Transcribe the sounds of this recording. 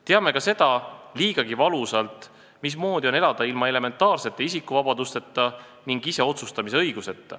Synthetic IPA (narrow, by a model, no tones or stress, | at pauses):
t̪e̞ɑme̞kɑse̞d̪̥ɑliːɡ̥ɑɡivɑlusɑlt̪ˑ | mis̬mo̞ːd̪ʲio̞ne̞lɑd̪̥ɑilmɑe̞le̞me̞nt̪ːˑɑːrse̞t̪ːˑeisikːˑuvɑbɑd̪ust̪e̞t̪ːˑɑ | niŋɡ̥ise̞o̞t̪sust̪ɑmise̞ɤjɡ̥use̞t̪ːɑ̰